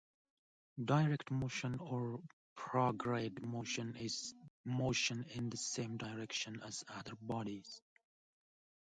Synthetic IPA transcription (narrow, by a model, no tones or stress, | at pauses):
daɪɹɛktmoʃə̃nɔɹ | pʰɹɔɡɹedmoʃə̃nɪz̥moʃə̃nɪ̃nðəsẽɪ̃mdaɪɹɛkʃə̃næz̥ʌðə˞bɔɾiz̥